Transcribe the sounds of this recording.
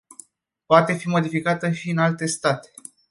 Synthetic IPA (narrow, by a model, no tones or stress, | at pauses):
poat̪e̞fimo̞d̪ifikat̪əʃiɨnalt̪e̞st̪at̪e̥